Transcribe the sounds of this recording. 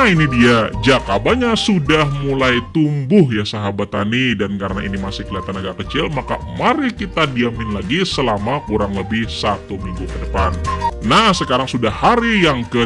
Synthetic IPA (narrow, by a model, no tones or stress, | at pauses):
inidiad͡ʒakabaɲasudahmulajt̪umbʊɦjasaɦabat̪a̰nidankaɾənainimasɪhkəliat̪ənaɡakət͡ʃɪlmaka̰maɾikit̪adiamɪnlaɡisəlamakuɾaŋləbɪhsat̪umiŋɡukədəpanːahsəkaɾaŋsudahaɾijaŋkə